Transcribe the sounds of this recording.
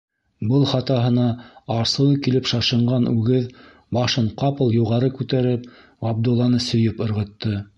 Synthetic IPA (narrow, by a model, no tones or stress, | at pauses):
bɤlˠχɑt̪ɑɦɤ̆nɑɑɾsɤ̆lˠɤkilɘpʃɑʃɤ̆ɴɢɑnʉɡɘð | bɑʃɤɴqɑpɤlˠjuʁɑɾɤkʉt̪æɾɘp | ɑb̚d̪ulˠːɑnɤsɵ̆jɘpŏɾʁɤ̆t̪ːɤ